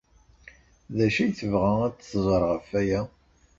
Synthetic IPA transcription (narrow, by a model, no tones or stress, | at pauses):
ðæʃijθəvʁææt͡sːθzˤɾˤʁəfæjæ